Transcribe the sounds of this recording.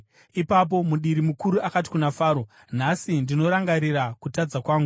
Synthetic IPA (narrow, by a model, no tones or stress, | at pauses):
ipap̬o̞muɗiɾimukuɾuakat̬i̥kunafaːɾo̞ | n̤asindino̞ɾaŋɡaɾiɾakutad͡zakwaːŋɡu